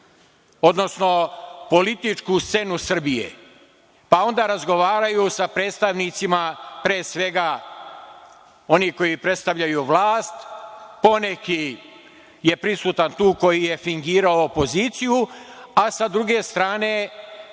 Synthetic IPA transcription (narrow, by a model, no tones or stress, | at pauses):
o̞d̪no̞sno̞po̞lit̪it͡ʃkust̪se̞nusr̩bijḛ | pao̞nd̪aːɾazɡo̞ʋaːɾajusapɾe̞ːt̪st̪aʋnit̪simapɾeːsʋe̞ɡa | o̞niko̞jipɾe̞t̪st̪aʋʎajuʋlˠaːst̪po̞ne̞ki | je̞pɾisuːt̪ant̪uːko̞jije̞fiŋɡiːɾaoːpo̞zit̪sijuasad̪ɾuɡe̞st̪ɾaːne̞